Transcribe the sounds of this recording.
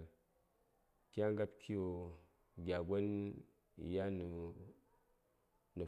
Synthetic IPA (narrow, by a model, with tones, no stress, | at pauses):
kʲa˦ŋ˦ɡa˦pkʰi˦jo˨ | ɡʲa˨ɡʷo˦n˨ | ja˦n˨ | nə˨